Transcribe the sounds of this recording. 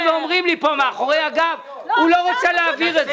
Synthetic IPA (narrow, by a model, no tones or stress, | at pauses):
veomʁimlipomeaχoʁeaɡav | uloʁot͡seleaviʁez